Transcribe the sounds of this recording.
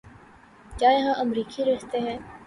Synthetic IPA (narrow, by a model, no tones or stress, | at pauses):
kjaːjɐɦãʔɐmɾiːkiɾeɦt̪eɦɛ̃ː